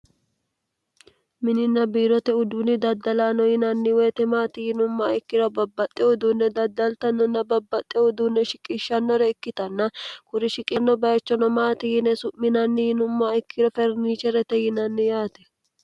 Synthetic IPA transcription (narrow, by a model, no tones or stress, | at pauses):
mɪnɪnːɐbiːɾɔt̪ɛʊd̪unɪd̪ɐd̪ːɐlaːnɔjɪnɐnːɪweːt̪ɛmaːt̪ɪhɪnʊmːaɪkːɪɾɔbɐbːɐt̪ʼːɛʊd̪uːnːɛd̪ɐd̪ːɐlt̪ɐnːɔnːɐbɐbːɐt̪ʼːɛʊd̪uːnːɛʃɪkʼɪʃːɐnːɔɾɛɪkːɪt̪ɐnːɐkʊɾɪʃɪkʼɐnːɔbɐjɐt͡ʃːɔnɔmaːt̪ɪjɪnɛsʊmɪnɐnːɪhɪnʊmːaɪkːɪɾɔfɛɾniːt͡ʃɛɾɛt̪ɛjɪnɐnːɪjaːt̪ɛ̥